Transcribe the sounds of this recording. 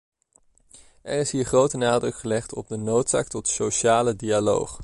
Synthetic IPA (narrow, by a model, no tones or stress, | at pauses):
ʔɛrɪsɦiːɹχrowtənaːdrɵkχəlɛχtɔ̰b̚dənowtsa̰ːk̚tɔtsoʃaːlədialo̰wχ